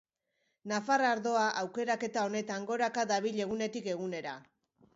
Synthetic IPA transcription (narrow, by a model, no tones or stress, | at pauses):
nafaraɾðo̞aʔawke̞ɾake̞t̪ao̞ne̞t̪aŋɡo̞ɾakad̪aβiʎe̞ɣune̞t̪ike̞ɣ̞une̞ɾa